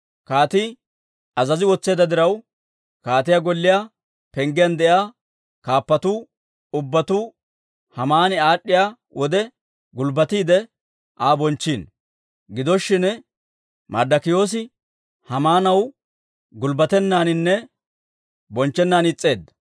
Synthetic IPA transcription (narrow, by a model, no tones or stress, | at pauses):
kaːt̪i | ɐzɐzɪwɔt͡sːe̞ːd̪ɐd̪ɪɾɐw | kaːt̪ɪjaːɡɔlːɪjaː | pɛŋɡɪjɐnd̪ɛjaː | kaːpːɐt̪uː | ʊbːɐt̪uː | hɐmaːnɪaːɗːɪjaː | wʔɔd̪ɛ | ɡʊlbɐt̪iːd̪ɛ | ʔaːbɔnt͡ʃːiːn | ɡɪd̪ɔʃːɪn | mɐ̰ɾd̪ɐkɪjo̞ːs̬ɪ | hɐmaːnɐw | ɡʊlbɐt̪ɛnːaːnɪnːɛ | bɔnt͡ʃːɛnːaːnɪt͡sʼːe̞ːd̪ːɐ̥